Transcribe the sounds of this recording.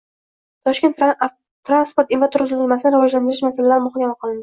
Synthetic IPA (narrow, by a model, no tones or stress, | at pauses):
t̪ʰɒʃkʲe̞nt̪ | t̪ɾanspo̞ɾt̪invat̪ʰʊɾʁʊzɪlɪlmasɪnɪɾavɒd͡ʒland̪ɪɾɪʃmasalalaɾɪmʊχɒkʲʰamaqɒlˠɪnd̪ɪ